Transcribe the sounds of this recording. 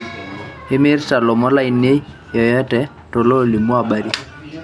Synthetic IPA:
ɪ˦mɪ˦rsa˨lɔ˨mɔ˦la˦ɪ˨nːe˦ | jɔ˨jɛ˦tɛ˨ | to˨lo˦li˨mu˦a˨ba˨ɾi˦

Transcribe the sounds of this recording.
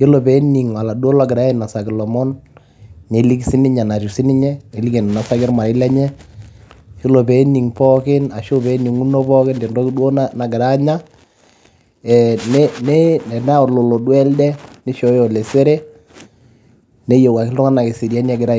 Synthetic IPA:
jo˦lo˨pɛ˨˦ni˨ŋwa˨la˨dwo˦la˦˨ɡɪ˨ɾa˦ɪ˨na˨sa˨kɪ˨lɔ˨mɔ˦nː | e˨li˦ksi˦nɪ˦ɲa˨na˨tu˨sɪ˦nɪ˦ɲɛ˦ne˨li˦kɛ˨n˨na˨sa˦kɪ˦ɾma˨ɾɪ˦lɛ˦ɲɛ˦ | jo˦lo˨pɛ˦ni˨ŋpɔ˦kɪ˦na˨ʃo˦pɛ˨˦ni˨ŋu˦no˦pɔ˦kɪ˦nde˨ndɔ˦kdwo˦na˦na˨ɡɪ˨ɾa˦ɲa˦ | ɛ˨nɛ˦ne˦nɛ˨na˦˨lo˨lo˨dwɛ˦ldɛ˦nɪ˦ʃɔ˨˦jɔ˨le˨se˦ɾe˦ | ne˦jo˨wa˨kɪ˦lʊ˦ŋa˦na˨kɪ˨si˨ɾja˦n˦a˦ɡɪ˨ɾa˦˨

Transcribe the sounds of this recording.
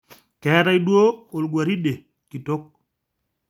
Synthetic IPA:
kɛ˨˦ɾa˦i˦dwo˦o˨lɡwa˨ɾi˦de˨ | ki˨to˦k̚

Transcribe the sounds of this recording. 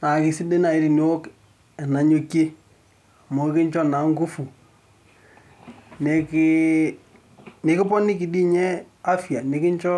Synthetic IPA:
na˨kɪ˨sɪ˦de˦na˨ɪ˨˦ɾi˨no˦o˦k | ɛ˨na˨ɲo˦kːe˦˨ | mo˨˦kɪ˦ɲt͡ʃɔ˦na˨ŋɡu˦fu˨ | ne˨kɪ˦ | nɪ˨kɪ˦pɔ˦nɪ˦k̬i˨di˦ɲɛ˦a˦fja˨nɪ˨kɪ˦ɲt͡ʃɔ˦

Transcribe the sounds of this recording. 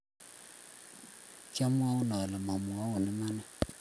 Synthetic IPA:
t͡ʃa˦m˦a˦wʊ˦na˨lə˨ma˨mu˨a˦wʊ˨nɪ˦ma˦nɛ˦

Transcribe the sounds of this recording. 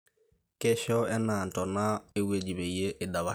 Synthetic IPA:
kɛ˦ʃɔ˦ɛ˦na˨ntɔ˨na˦e˦we˦d͡ʒi˨βe˨je˦ʔːda˨βa˦

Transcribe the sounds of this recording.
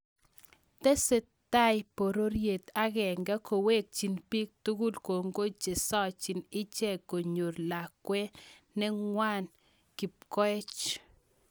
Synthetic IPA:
tɛ˦se˨ | ta˦jpo˨ɾo˦ɾje˨t̪a˦ɣɛ˨ŋɡa˦ko˨we˦k̚t͡ʃi˨npi˦k̚tu˦ɡu˦lko˨ŋɡo˦t͡ʃe˨sɔ˦t͡ʃi˨nɪ˦t͡ʃɛ˦˨ko˨ɲo˨ɾla˨kwe˦nɛ˦ŋwa˦n | ki˨p̚kɔ˦ɛ˦t͡ʃ

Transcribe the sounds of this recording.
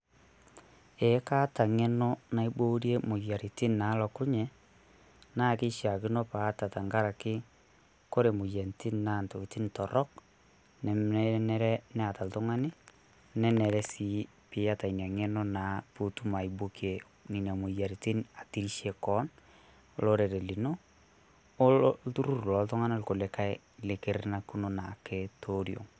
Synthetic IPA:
e˨˦ka˦ta˨ŋɛ˦no˦na˨˦i˦bo˦ɾje˦mo˨ja˨ɾi˨ti˦nna˨˦lɔ˨ku˦ɲɛ˨ | na˦˨kɪ˦ʃa˨k̬i˦no˦pa˨˦ta˨ta˨ŋɡa˦ɾa˨kɪ˦ | ko˦ɾe˨mo˨jɛ˨nti˦nna˦˨nto˨ki˨ti˦ntɔ˨ɾɔ˦k | nɛ˨m˦nɛ˦ɾɛ˦nɛ˦a˨ta˨ltʊ˦ŋa˦nɪ˦ | nɛ˦nɛ˨ɾɛ˦si˦ | pɪ˨˦ja˦ta˨i˨n˨a˨ŋɛ˦no˦na˨pu˦tu˦ma˨i˨bo˦kie˨ | ni˨na˨mu˨ja˨ɾiti˦na˨ti˦ɾi˦ʃe˨kɔ˦n | o˦lo˦ɾe˨ɾe˨li˨no˦ | ltu˦ɾu˦ɾlɔ˨˦ltʊ˦ŋa˦na˦lko˨le˨ka˦j | le˨ke˨ɾna˦ku˦no˦na˨ke˦tʰo˦ɾjo̰˨ŋ

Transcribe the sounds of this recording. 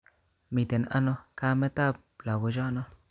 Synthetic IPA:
mi˨t̪e˨nʔa̰˦no˦ka˦me˦t̪a˦b̚ | la˨ɡo˧ʒa˦no˦

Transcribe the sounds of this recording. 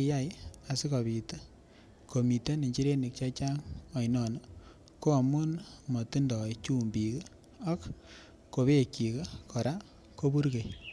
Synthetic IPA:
ja˦ja˨sɪ˦kɔ˨βi˨te˦ | ko˨mi˨te˦ni˨ɲt͡ʃi˦ɾe˦ni˨k̚t͡ʃa˦t͡ʃa˦ŋɔ˨jnɔ˨n | ko˦a˨mu˦nmɔ˨ti˦ndɔ˨it͡ʃu˦mbi˨k | a˦kː | o˨βe˦ki˨ke˦kɔ˨ɾa˦ | ko˦bu˦ɾke˨j

